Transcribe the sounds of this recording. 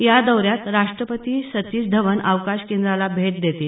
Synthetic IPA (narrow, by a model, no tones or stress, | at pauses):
jad̪əwɾjat̪ɾaʂʈɾəpət̪iːsət̪iːsd̪ʱəʋənəʋkaɕkend̪ɾalabʱeʈ̚d̪et̪iːl